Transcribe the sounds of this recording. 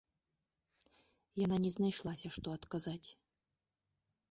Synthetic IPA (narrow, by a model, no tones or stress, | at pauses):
jananʲɛznajʂlˠasʲɐʂt̪ɔɐt̪kazat͡sʲ